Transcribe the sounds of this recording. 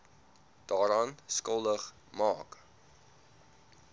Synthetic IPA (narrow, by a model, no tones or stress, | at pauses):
d̥ɑːɾɑːnskəlˠdəχ | mɑːk